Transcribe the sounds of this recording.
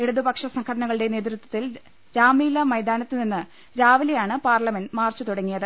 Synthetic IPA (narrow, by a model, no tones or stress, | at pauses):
e̞ɽuðubɐkʂɐsɐŋkʰɐɽɐnɐɣɐɭɨɽene̞ːt̪ɾut̪ːwɐ̥t̪ːil | ɾaːmiːlɐmɐjd̪aːnɐt̪ːɨninːɨ | ɾaːʋilɐjaːɳɨpaːrlɐmenmaːrt͡ɕːut̪uɽɐŋːijɐðɨ